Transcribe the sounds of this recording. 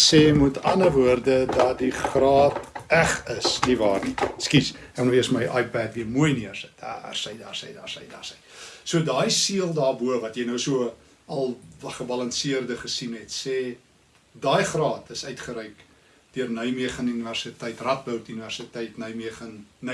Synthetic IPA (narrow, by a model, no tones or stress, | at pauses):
seːmutɐnəvuərdədɐdiχrɑːtæχəsnivɑːrniskisɛlnoiəsməjʔɑjpætviəmuəjniəərsət̚a̰rsɛjdɑːrsɛ̰jdɑːrsə̰jdɑ̰ːrsəjsuədɑːjsiəlˠdɑːrbuəvɐtjɛjnəwsuə | ɐlˠχəbɐlɐnsiərdəχəsinɦɛtseː | dɑːjχrɑːtʰəsœɥtχəɾɛjk | d̥iərnœɥmiəχənyniværsitɛjtrɐt̚bœwtyniværsitɛjtnœɥmiəχənn